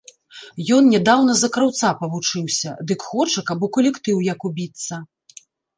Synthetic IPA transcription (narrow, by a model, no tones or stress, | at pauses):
jɔnnʲɛd̪awn̪ɐzɐkɾawt̪sapɐvut͡ʂɨwsʲɐd̪ɨkxɔt͡ʂɐkabukɐlʲɛkt̪ɨwjɐkubʲit̪sːɐ